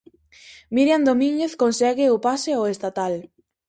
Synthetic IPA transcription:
miɾjand̪omĩŋɡeθkonsɛɣɪʊpaseoest̪at̪al

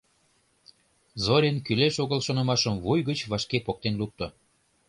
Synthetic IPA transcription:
zoɾʲenkyleʃoɣəlʃonɤ̆mɑʃəmvujɣət͡ɕβɑʃkepok̚t̪enluk̚t̪o

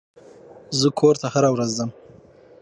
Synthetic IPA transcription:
zəkʰoɾt̪ahaɾawɾazd̪əm

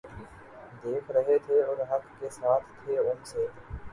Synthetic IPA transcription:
d̪eːkʰɾəɦet̪ʰeʊɾɦɐkːesaːt̪ʰt̪ʰeʊmseː

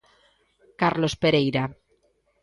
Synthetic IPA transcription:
kaɾlospeɾejɾa

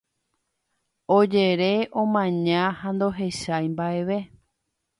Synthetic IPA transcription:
od͡ʒe̞ɾeʔõmãɲãhand̪o̞ɦe̞ʃajmbaʔe̞ʋe̞

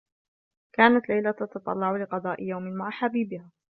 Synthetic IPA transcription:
kaːnat̪lajlat̪ɑt̪ɑt̪ˤɑ̰lːɑʕʊlɪqɑd̪ˤɑːʔɪjawmɪnmaʕaħabiːbɪhaː

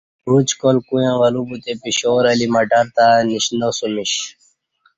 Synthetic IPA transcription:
ɾut͡ɕkolkujãʋɐlubut̪epiɕoɾɐlimɐʈaɾt̪aniɕnosumiɕ

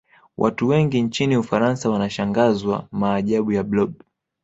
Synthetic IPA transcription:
wʔa̰tuwɛŋɡint͡ʃiniufaɾansawanaʃaŋɡazwamaːʄaɓujablɔb̚

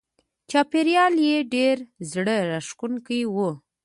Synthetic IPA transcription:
t͡ʃɑpeɾjɑljeɖeɾzɽəɾaʂkunkəjwu

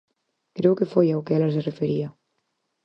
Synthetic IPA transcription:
kɾewkefojawkɛlazerefeɾia

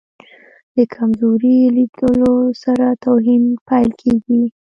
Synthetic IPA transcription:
d̪̥əkʰamzoɾilidəlosaɾat̪awɦinpajlkʰeɡi

